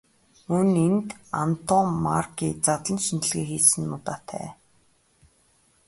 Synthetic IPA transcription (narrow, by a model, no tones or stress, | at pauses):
mɵnent̪a̰nt̪ʰɔmːa̰rkiːt͡sat̪ɮə̆nʃint͡ɕ̪ɘ̆ɮɣeːxiːsɘ̆nːʊt̪aːt̪ʰæ̰ː